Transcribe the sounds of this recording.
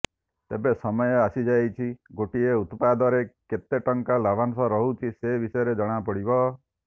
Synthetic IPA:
t̪ebesɔmɔjɔasid͡ʒajt͡ʃʰiɡoʈieut̪pad̪ɔɾeket̪eʈɔŋkalabʱansɔɾɔɦut͡ʃʰisebisɔjɔɾed͡ʒɔɽ̃apɔɽibɔ

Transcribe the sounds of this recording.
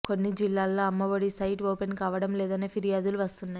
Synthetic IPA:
ko̞nːid͡ʒilːaːlːo̞ːɐmːɐʋoɽisɐjʈoːpenkaːʋɐɽɐmlɛːd̪ɐne̞ːpʰiɾijaːd̪uluʋɐst̪unːaːj

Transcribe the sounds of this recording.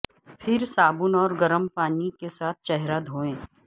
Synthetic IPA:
pʰɪɾsaːbʊnɔːɾɡɐɾəmpaːnikesaːt̪̚ʰt͡ʃɛɦɾad̪ʱoːẽː

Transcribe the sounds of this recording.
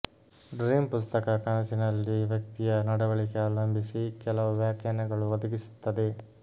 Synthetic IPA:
ɖɾiːmpust̪ɐkɐkɐɳɐsinɐlːiʋjɐk̚t̪ijɐnɐɽɐʋɐɭikeaːlɐmbʱisikɛlɐʋuʋjaːkjaːnɐɡɐɭuʋɐd̪ɐɡisu̥t̪ːɐd̪e

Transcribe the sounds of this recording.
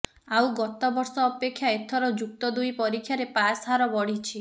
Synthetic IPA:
awɡɔt̪ɔbɔɾsɔːpekʰːjaet̪ʰɔɾɔd͡ʒukt̪ɔd̪ujpɔɾikʰːjaɾepasɦaɾɔbɔɽ̤it͡ʃʰi

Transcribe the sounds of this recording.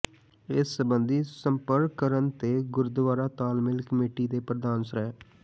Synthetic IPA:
ɪsːəbənd̪iːsəmpəɾkkəɾənt̪eːɡʊɾd̪ʋaːɾaːt̪aːlmɪlkəmeːʈiːd̪eːpɾəd̪aːnsəɾɛː

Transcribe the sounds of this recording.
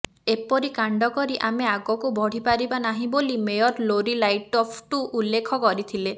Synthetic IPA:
epɔɾikaɳɖɔkɔɾiʔameaɡɔkubʱɔɽ̤ipaɾibanaɦĩbolimejɔɾloɾilajʈɔpʰʈuʔulːekʰɔkɔɾit̪ʰile

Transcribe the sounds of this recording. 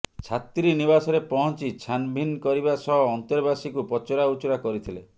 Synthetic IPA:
t͡ʃʰat̪ɾinibasɔɾepɔɦɔnt͡ʃit͡ʃʰanbʱinkɔɾiβasɔɦɔːnt̪ɔɾbasikupɔt͡ʃɔɾaut͡ʃɔɾakɔɾit̪ʰile

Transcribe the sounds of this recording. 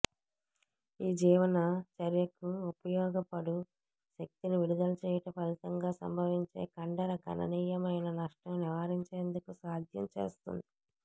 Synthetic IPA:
iːd͡ʒiːʋɐnɐt͡ʃɐɾjɐkuupɐjɔːɡɐpɐɽu | ʃɐk̚t̪iniʋiɽud̪ɐlɐt͡ʃeːjiʈɐpɐlit̪ɐŋɡaːsɐ̰mbʱɐʋiɲt͡ʃe̞̰ːkɐɳɖɐɾɐɡɐ̰nɐ̰niːjɐmɐjnɐnɐʂʈɐmniʋaːɾiɲt͡ʃeːnd̪ukusaːd̪ʱjɐ̰mt͡ʃe̞̰ːst̪ṵnd̪i

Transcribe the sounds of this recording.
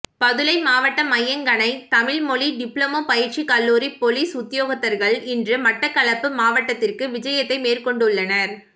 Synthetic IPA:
pɐðɯlɐɪmaːʋɐʈːɐmɐjːɐŋɡɐnɐɪt̪ɐmɪlmɔɭiɖɪpɭoːmoːpɐjɪɾt͡ʃikɐlːuːɾipɔliːsʊt̪ːjoːɣɐt̪ːɐɾɣɐɭɪndrɯmɐʈːɐkːɐlɐpːɯmaːʋɐʈːɐt̪ːɪrkɯʋɪd͡ʒɐjɐt̪ːɐɪmeːrkɔɳɖɯɭːɐnɐɾ

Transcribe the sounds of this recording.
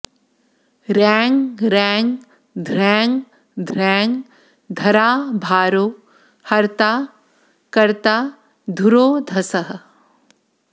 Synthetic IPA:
ɾɛːŋɡɾɛːŋɡ | d̪ʱɾɛ̃ːŋɡ | d̪ʱɾɛːŋɡ | d̪ʱɐɾaːbʱaːɾoː | hɐɾt̪aː | kɐɾt̪aː | d̪ʱuɾoːd̪ʱɐsɐɦə̆

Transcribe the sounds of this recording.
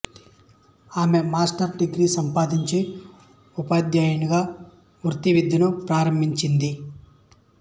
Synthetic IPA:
aːme̞maːsʈɐɾɖiɡɾisɐmpaːd̪iɲt͡ʃi | upaːd̪jaːjɐɳiɡaː | mɾut̪iʋid̪ʱːinupɾaːɾɐmbʱiɲt͡ʃind̪i

